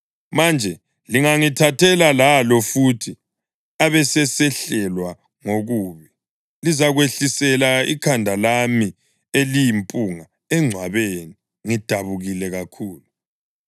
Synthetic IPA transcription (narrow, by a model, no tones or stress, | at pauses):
mand͡ʒʱɛ | liŋaŋitʰatʰɛlalalɔfutʰi | aβɛsɛsɛɬɛlwa | ŋoɣuːβi | lizaɣweɬisɛlaḭkʰandʱalami | elijimpʼuŋa | ɛŋ͡ǀʱwaβeni | ŋid̥ʱaβuɣilɛɣakʰuːlu